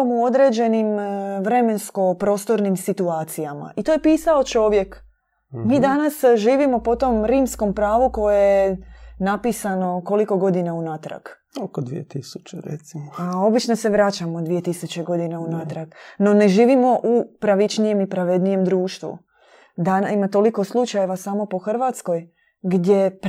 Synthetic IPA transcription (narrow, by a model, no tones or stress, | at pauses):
muo̞d̪ɾe̞d͡ʑe̞nimʋɾe̞me̞nsko̞pɾo̞ːst̪o̞ɾnimsit̪uaːt̪sijama̰ʔit̪oje̞piːsao̞t͡ʃo̞ʋje̞k | miːd̪anasʒiːʋimo̞po̞t̪o̞mɾiːmsko̞mpɾaːʋuko̞jejenapisano̞ko̞liko̞ɡo̞d̪inaunat̪ɾa̰ɡ | okod̪ʋḭet̪isut͡ʃeɾḛt̪simoao̞bit͡ʃno̞se̞ʋɾat͡ɕamod̪ʋije̞t̪isut͡ɕe̞ɡo̞d̪inaunat̪ɾaɡno̞ne̞ʒiːʋimo̞ʔupɾaʋit͡ʃnije̞mipɾaʋed̪nije̞md̪ɾuːʃt̪ʋṵ | d̪animat̪o̞liko̞slˠut͡ʃajeʋasamo̞po̞xr̩ʋat̪sko̞j | ɡd̪ʲje̞p